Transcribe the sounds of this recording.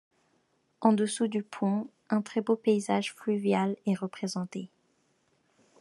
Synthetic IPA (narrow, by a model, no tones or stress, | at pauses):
ɑ̃d̪əsud̪ypʰɔ̃ | ɛ̃t̪χɛbopeizaʒflyvjalɛʁəpχezɑ̃t̪e